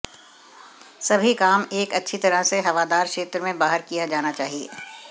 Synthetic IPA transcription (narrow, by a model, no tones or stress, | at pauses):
sɐbʱikaːmeːkɐtːʃʰit̪ɐɾəseɦɐʋaːd̪aːɾkʃeːt̪ɾəmẽbaːɦəɾkijad͡ʒaːnat͡ʃaːɦiḛː